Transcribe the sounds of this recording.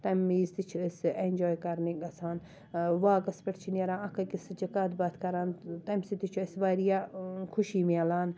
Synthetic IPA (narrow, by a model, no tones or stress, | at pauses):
t̪ɐmiːzt̪it͡ʃʰuɐsenʲd͡ʒoːjkɐɾniɡɐsaːn | ʋaːɡɐspɐʈʰt͡ʃʰinɐɾaːnɐkɐkisd͡ʒɐkaːt̪baːt̪kɐɾaːnt̪ɐmsit̪it͡ʃʰuɐsʋaːɾijaːkʰuʃiːmalaːn